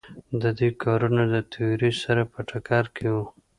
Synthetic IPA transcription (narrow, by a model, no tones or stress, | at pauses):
d̪əd̪ekʰɑɾunad̪ət̪ʰajɾisaɾapəʈʰakɑɾkʰewu